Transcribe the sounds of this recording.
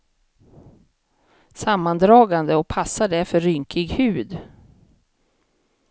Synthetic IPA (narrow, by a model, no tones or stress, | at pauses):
samːand̪ɾɑːɡand̪əɔpʰasːaɖæɾfœɾːʏŋkɪɡhʉ̟ːd̪